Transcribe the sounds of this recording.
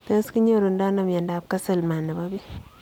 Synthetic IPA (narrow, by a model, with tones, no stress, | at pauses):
te˦ski˦ɲo˦ɾu˨ndɔ˦na˨mɛ˨nda˨p̚ka˦se˨lma˨nːe˨ba˦bi˦